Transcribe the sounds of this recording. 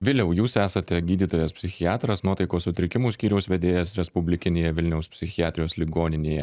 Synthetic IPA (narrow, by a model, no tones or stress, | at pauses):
ʋʲɪlʲɛʊjuːsæːsɐt̪ʲɛɡʲiːd̪ʲiːt̪oːjɛspʲsʲɪxʲɪɑːt̪ɾɐsnuɔt̪ɐɪkoːssʊt̪ʲɾʲɪkʲɪmuːsʲkʲiːɾʲɛʊsʋʲɛd̪ʲeːjɛsɾʲɛspʊbʲlʲɪkʲɪnʲeːjɛʋʲɪlʲnʲɛʊspʲsʲɪxʲɪɑːt̪ʲɾʲɪjoːslʲiɡoːnʲɪnʲeːjɛ